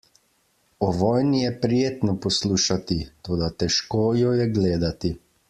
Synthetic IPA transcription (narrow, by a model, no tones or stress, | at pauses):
ɔʋɔːjnijɛpɾijeːt̪nɔpɔsluːʃat̪it̪oːd̪at̪ɛʃkoːjɔjɛɡleːd̪at̪i